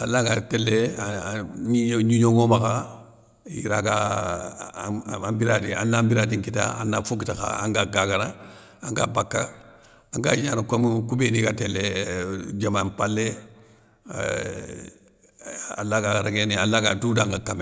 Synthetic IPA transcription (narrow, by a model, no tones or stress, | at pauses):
alːakatɛlːe | iɲuɲoŋomaka | jḭɾaka | ambiɾadiã̰nːambiɾadiŋkita̰a̰nːafokitaka̰ã̰ŋkaɡakana | ãŋka̰bakːa | ãŋkaɲaːnakomkubenikatɛlːe | d͡ʒamampalːe | a̰lːakaɾeɡenialːakadudãŋɡakame